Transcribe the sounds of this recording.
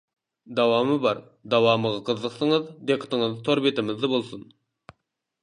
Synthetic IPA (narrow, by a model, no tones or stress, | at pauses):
d̪ɑwɑmɨbɑɾ | d̪ɑwɑːməʁɑqʰəzəqsəŋəzd̪eqʰːə̥t̪əŋəzt̪ʰoɾbet̪ɪmɪzd̪ɪbolˠsun